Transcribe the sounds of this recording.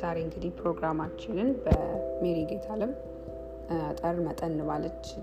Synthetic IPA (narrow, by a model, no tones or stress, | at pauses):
zaɾe̞ɨŋɡɨd̪ihpʰɾo̞ɡɾamat͡ʃːɪnɨnbəmeɾiɡet̪ʰalɨm | t̪ʼərmət̪ʼənːɨβalːət͡ʃː